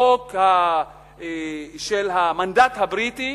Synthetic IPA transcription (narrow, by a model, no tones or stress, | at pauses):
okha | ʃelɦamandathabʁiti